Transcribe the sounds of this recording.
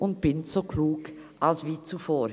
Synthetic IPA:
ʔʊnt̚b̥ɪnsokʰluːɡ | ʔalsviːt͡sufoːɾ

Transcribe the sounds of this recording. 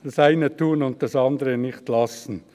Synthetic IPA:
d̥ɑsaɪnətʰuːənʊnt̚dɑsɑndəʁənɪχtlɑsn̩

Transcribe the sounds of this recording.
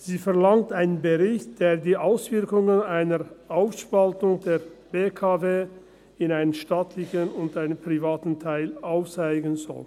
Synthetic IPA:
z̥iːfɛɐlaŋtaɪnənbəʁɪçt̚d̥eːɐdiːʔaʊsv̥ɪɐkʊŋənaɪnəʔaʊfʃpaltʊŋdeːɐb̥eːkʰaveː | ɪnaɪnənʃtaːtʰlɪçənʊntaɪnənpʁ̥ivaːtn̩tʰaɪlʔaʊft͡saɪɡənzɔ̰l

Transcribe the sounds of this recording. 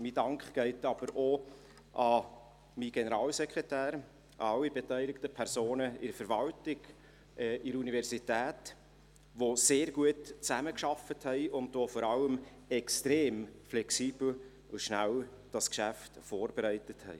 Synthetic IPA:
miːdɑŋkχɡ̥ɛɪtɑb̥əɾo | ʔɑ | miɡ̥ɛnəɾɑːlsɛkʁɛtæːɾ | ɑ̰ɑlːibɛtœɪlɪktəpʰɛɾsoːnəɪɾəfəɾvɑltɪɡ̥ | ʔɛʔɪɾəunivɛɾsitæːt | ʋoseːɾɡuətt͡sæməkʃɑfəthɛɪʔʊndofɔɾɑləm | ɛkstɾeːmflɛksiːb̥l̩ | ʊʃnæl | d̥ɑskʃæftfoːɾb̥eɾɛɪtəthɛ̰ɪ

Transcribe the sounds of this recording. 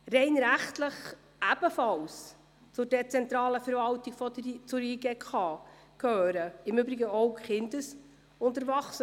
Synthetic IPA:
ɾɛɪnɾæχtləχ | ʔæb̥əfɑls | t͡sʊdɛt͡sɛnt̪ɾɑːləfɛɾvɑltiɡ̥fɔdət͡sʊɾiːɡeːkʰɑː | kʰhøːɾəɪmʏbɾɪɡəɔwχɪndəs | ʊntəɾvɑχsə

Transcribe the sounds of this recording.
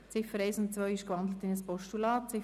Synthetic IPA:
t͡sɪfəɾɛɪsʊnt̚t͡sʋœʏɪʃkvɑnd̪lətɪnəspɔʃtulɑːt̚t͡sɪ

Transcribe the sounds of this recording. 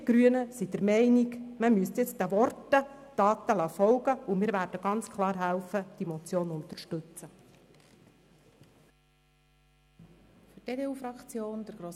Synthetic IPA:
ɡ̥ɾyənəsid̥əɾmɛɪniɡməmyəstjɛt͡stdæʋɔrtəd̥ɑːt̪əlɑːfɔlɡəumɪːɾʋæːrd̥əɡ̥ɑnt͡skʰlˠɑːɾɦælfəd̥imɔt͡sjoːnʊnt̪ərʃtɵt͡sə | fyteːdeuːfɾɑkt͡sjoːnd̥əɾɡ̥ɾoː

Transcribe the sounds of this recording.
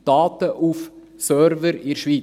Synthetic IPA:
d̪̥ɑːt̪əʔuf | sœːɾvəɾɪɾʃʋiː

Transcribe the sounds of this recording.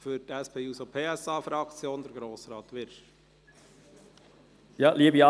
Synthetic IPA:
fyɾtæspʰeːuːsopʰeːæsɑːfɾɑkt͡sjoːnd̥̪əɾɡɾoːsɾɑːt̪ʋɪɾʃ | jɑːliːbiɑ

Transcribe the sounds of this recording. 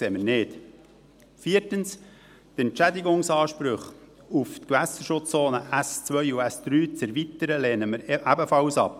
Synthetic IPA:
kseːməɾnɪːt | fiːɾtəns | t̪ɛnt͡ʃæd̪ɪɡʊŋsɑːʃpɾʏχ | uft̪kʋæsəʃʊt͡st͡soːnəʔæst͡sʋœʏuæsd̪̥ɾyːt͡sɛɾvit̪əɾəlɛːnəməɾʔæbəfɑlsɑ̰p̚

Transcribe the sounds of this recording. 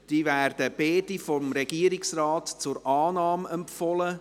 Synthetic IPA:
d̥iːvæːrd̥əb̥eːdifɔmɾɛɡ̥iəɾɪksraːtt͡sʊɾɑːnɑːmɛmpfɔlə

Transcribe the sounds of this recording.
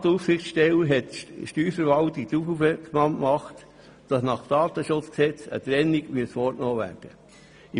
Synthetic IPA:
t̪ufsɪχtʃtɛləɦɛtʃtyːɾfəɾʋɑlt̪ɪk̚tufufəkmɑmmɑχt | d̥ɑsnɑχd̥ɑːt̪əʃʊt͡sksɛt͡sə̰t̪ɾɛnːiɡmyətsfɔɾtnoːʋæ̰ɾd̥ə | i

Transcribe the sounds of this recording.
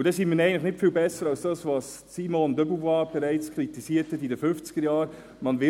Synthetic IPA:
udɛsiːnmiːnɛɡən̩tləχnɪtfiːlbɛsːəɾɑlsd̥ɑːsvɑs | simɔnd̪œbuvɑːb̥ɛɾæɪt͡skʰʁitisiːəthɛtidəfʏft͡sɡ̥əɾjaːɾ | mɑnvɪ

